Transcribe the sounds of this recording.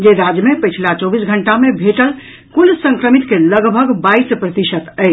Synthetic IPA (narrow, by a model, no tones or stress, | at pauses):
d͡ʒeɾad͡ʒəmepət͡ʃʰlat͡ʃɔbisɡʱəɳʈamebʱeʈəl | kulsə̃ŋkɾəmit̪keləɡbʱəɡbaispɾət̪iʃət̪ə